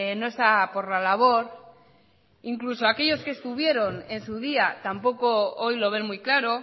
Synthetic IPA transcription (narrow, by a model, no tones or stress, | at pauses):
no̞e̞st̪apo̞ɾlalaβ̞o̞ɾ | iŋkluso̞ake̞ʎo̞ske̞st̪uβ̞je̞ɾo̞ne̞nsuð̞iat̪ampo̞ko̞ojlo̞β̞e̞nmujklaɾo